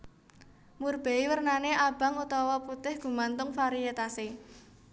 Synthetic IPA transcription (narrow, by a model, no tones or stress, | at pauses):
murb̥e̤iwərnaneʔab̥a̤ŋut̪ɔwɔput̪ɪhɡ̥ṳmant̪ʊŋfaɾiet̪ase